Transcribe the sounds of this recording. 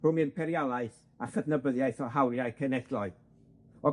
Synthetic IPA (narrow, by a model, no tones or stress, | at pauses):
rʊmɨnpʰɛɾjalˠaɨθ | aχədnəbəðjaɨθɔɦawɾjaɨkʰənɛd̥lˠɔɨ | ɔ